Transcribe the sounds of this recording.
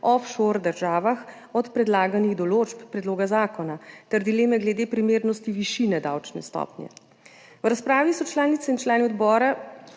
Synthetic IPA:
ɔfʃoɾd̪əɾʒaːʋax | ɔt̪pɾɛd̪laːɡaniɣd̪ɔloːt͡ʃpːɾɛd̪loːɡazaːkɔnat̪ɛɾd̪ileːmɛɡlɛd̪eːpɾimeːɾnɔst̪iʋiʃinɛd̪a̰wt͡ʃnɛ̰st̪ɔ̰ːpnjɛ̰ | wɾaspɾaːʋisɔt͡ʃlaːnit̪sɛint͡ʃlaːniɔd̪bɔːɾa

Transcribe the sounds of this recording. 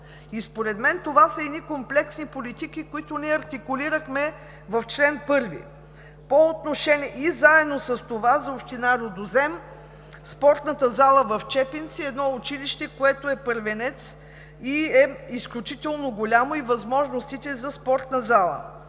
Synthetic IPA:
ispoɾɛd̪mɛnt̪ovasəɛnikomplɛksnipolit̪ikikʊit̪ʊniɛɐɾt̪ikʊliɾəxmɛ | vɐft͡ʃlɛnpɤɾvḭ | poːt̪noʃɛniɛʔizaɛd̪nosəst̪ovazɐopʃt̪inaɾod̪ozɛm | spɔɾt̪nət̪əzalˠəvɐft͡ʃɛpint̪siɛd̪nɔʊt͡ʃiliʃt̪ɛkoɛt̪oɛpəɾvɛnɛt̪s | iɛisklʲut͡ʃit̪ɛlˠnoɡolʲamoivɐzmɔʒnost̪it̪ɛzɐspɔɾt̪nəzalˠə̰

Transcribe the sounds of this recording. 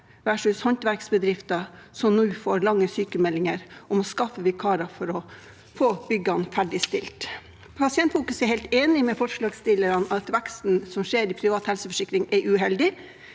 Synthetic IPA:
ʋæʂʉshɑnt̪ʋæɾksbəd̪ɾɪft̪ɑsɔmnʉːfoːɾlɑŋːəsyːkəmɛlːɪŋəɾɔmɔskɑfːəʋikʰɑːɾɑfɔɾɔ | foːb̥ʏɡɑnfæɖɪst̪ɪlt̪ | pʰɑsɪɛnt̪fuːkʉsɛɾhɛɪlt̪eːnɪmɛfɔʂɭɑːɡst̪ɪlːəɾɑnɑt̪ʋɛkst̪n̩sɔmʂeːɾɪpʰɾɪʋɑːt̪hɛlsəfɔʂɪkɾɪŋʔɛɾʔʉɦɛld̪ɪ

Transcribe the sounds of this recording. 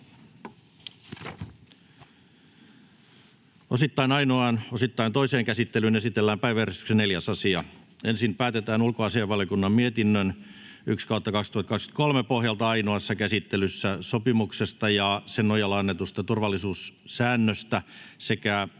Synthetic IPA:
osit̪ːɑinɑinoɑnosit̪ːɑint̪oiseːŋkæsit̪ːelyːnesit̪elːæːmpæiʋæerest̪y̥kseneljæsɑsiɑ | ensinpæːt̪et̪æːnulkoɑsiɑʋɑljokunːɑmmiet̪inːøn | ykskɑut̪ːɑkɑkst̪uhɑt̪kɑksky̥t̪kolmepohjɑlt̪ɑɑinoɑsːɑkæsit̪ːelysːæsopimuksest̪ɑjɑsennojɑlːɑnːet̪ust̪ɑt̪urʋɑlːˑisuːssæːnːøst̪æsekæ

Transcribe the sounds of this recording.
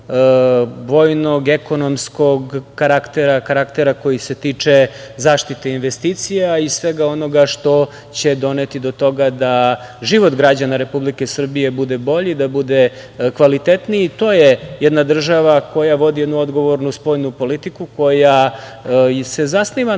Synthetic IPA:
bo̞jno̞ɡe̞ko̞no̞msko̞ɡkaɾakt̪eɾakaɾakt̪eɾako̞jise̞t̪iːt͡ʂe̞zaːʃt̪it̪einʋest̪iːt̪sijaisʋe̞ɡao̞no̞ɡaʃt̪o̞ | t͡ɕe̞d̪o̞net̪id̪o̞t̪o̞ɡad̪aʒiʋo̞t̪ɡɾad͡ʑanaɾe̞publike̞sr̩bije̞bud̪e̞bo̞ʎid̪abud̪e̞ | kʋalit̪et̪niit̪o̞ːjejɛd̪nad̪r̩ʒaʋako̞jaʋo̞d̪ije̞d̪nuo̞d̪ɡo̞ʋo̞ɾnuspo̞jnupo̞lit̪ikuko̞ja | se̞zasniʋa

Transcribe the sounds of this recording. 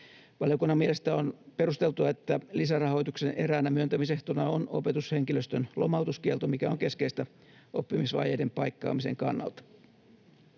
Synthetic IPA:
ʋɑljokunːɑmiele̞st̪æːonperust̪e̞lt̪uɑet̪ːælisærɑho̞jt̪uksenʔe̞ɾæːnæmyønt̪æmiseht̪onɑono̞̰pet̪ushe̞ŋkiløst̪ønlʔomɑut̪uskielt̪omikæoŋke̞skeist̪æ | opːimisʋɑ̰ːjejdempɑikːɑ̰ːmise̞̰ŋkɑ̰nːɑ̰lt̪ɑ̥

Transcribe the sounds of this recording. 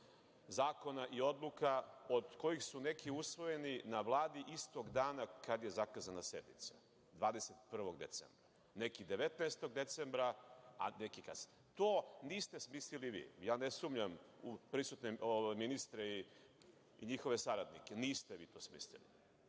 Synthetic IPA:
zaːko̞naʔio̞d̪lˠukaod̪ko̞jixsune̞kiusʋo̞je̞ninaʋlˠaːd̪iʔist̪o̞ɡd̪aːnakad̪je̞zakazanase̞d̪nit̪sa | d̪ʋaːd̪eset̪pr̩ʋo̞ɡd̪e̞̰t̪sḛmbɾa | ne̞kid̪e̞ʋet̪naest̪o̞ɡd̪e̞t̪se̞mbɾaa̰nekika̰z̥ | t̪oːniːst̪esmisliliʋḭːjaːnesumʎamupɾisut̪neoʋajminist̪ɾei | iɲixo̞ʋe̞saɾad̪nikeniːst̪eʋiːt̪oːsmḭslḭlḭ

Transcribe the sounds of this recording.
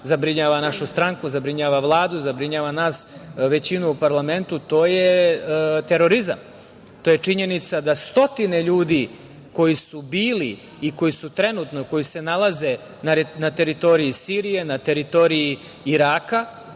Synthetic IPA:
zabɾiɲaːʋanaʃust̪ɾaŋkuzabɾiɲaːʋaʋlˠaːd̪uzabɾiɲaːʋanaːsʋe̞t͡ɕinuːpaɾlˠame̞nt̪ut̪o̞ːje̞ | t̪e̞ɾo̞ɾiza̰m | t̪oje̞t͡ʂiɲe̞nit̪sad̪ast̪o̞t̪ine̞ʎuːd̪i | ko̞jisubiːliː | ko̞jisut̪ɾe̞nut̪noiko̞jise̞nalˠaze̞ | nanat̪e̞ɾit̪o̞ɾiisiːɾije̞nat̪e̞ɾit̪o̞ɾii | iɾaːka

